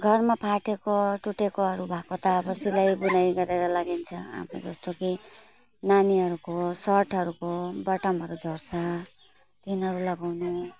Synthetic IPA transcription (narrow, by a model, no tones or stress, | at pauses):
ɡʱʌrmapʰaʈekoʈuʈekoʌɾubʱakot̪ʌːbʌsilajbunajɡʌɾeɾʌlaɡint͡sʰʌa̰mo̰d͡zʌst̪oki | naniʌɾukosʌrʈʰʌɾukobʌʈʌmɦʌɾud͡zʱʌrt͡sʰʌ | t̪inʌɾulʌɡawnu